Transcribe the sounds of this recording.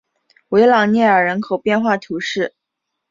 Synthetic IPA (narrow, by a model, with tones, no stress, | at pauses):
we˧˥ɪlɑ˨˩ŋnjɛ˥˩ə˞˨˩ɻə˧˥nkʰo˨˩ʊpjɛ˥˧nxwa˥˩t̪ʰu˧˥ʂɻ̩˥˩